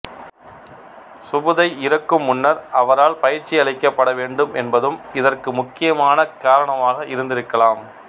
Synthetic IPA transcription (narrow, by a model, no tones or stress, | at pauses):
sʊbɯðɐɪɪɾɐkːɯmːʊnːɐɾɐʋɐɾaːlpɐjɪɾt͡ʃːɪɐɭɐɪkːɐpːɐɽɐʋeːɳɖɯmɛnbɐðɯmɪðɐrkɯmʊkːɪjɐmaːnɐkaːɾɐɳɐmaːɣɐɪɾɯnd̪ɪɾɯkːɐlaːm